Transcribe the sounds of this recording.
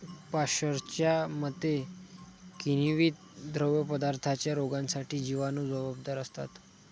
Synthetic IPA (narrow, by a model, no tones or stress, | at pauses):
paɕəɾt͡ɕjamət̪ːe | kiniʋiːt̪̚d̪ɾəwjəpəd̪aɾt̪ʰat͡ɕjaɾoɡansaʈiːd͡ʑiʋanuːd͡zəbab̚d̪aɾəst̪a̰t̪